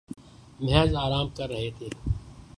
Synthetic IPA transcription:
mɛɦzaːɾaːmkɐɾːɐɦet̪ʰeː

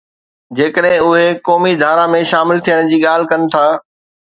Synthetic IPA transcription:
d͡ʑeːkəɗɦɪ̃ʊɦekɔːmid̪ʱaːɾamẽʃaːmɪlt̪ʰijəɽ̃d͡ʑiːɠaːl̤ɪ̆kɐnɪ̆t̪ʰaː

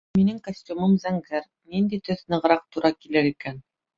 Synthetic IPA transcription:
minɘŋkosʲtʲumɤmzæŋɡæɾ | nind̪it̪ɵθnɤ̆ʁɾɑq̚t̪uɾɑkilɘɾikæn

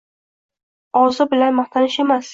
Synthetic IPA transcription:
ɒzɪbɪlanmaχt̪ʰanɪʃe̞mas

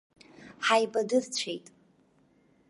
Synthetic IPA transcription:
ħajbadɨrt͡ɕʷʰejtʼ

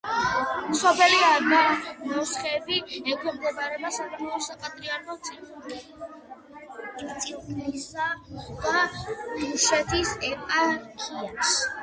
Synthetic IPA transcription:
msɔpʰɛliaɡamɔsχɛbiɛkʰwɛmɡ̪ɔbaɾɛbasaɡamɔɔsakʼat̪ʼɾianɔt̪sʼi | t̪sʼiɾnisad̪̥a | uʃɛt̪ʰisɛpʼakʰʼias

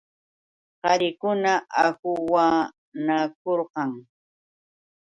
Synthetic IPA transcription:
qɑɾɪkʊnaʔakʊwa | nak̚oɾqɑŋ

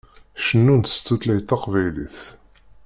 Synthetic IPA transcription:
ʃənːunt̪st̪ːut̪læjt̪ːɑqvæjlḭθ

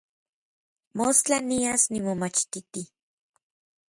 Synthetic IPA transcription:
most͡ɬaniasnimomat͡ʃt̪it̪i

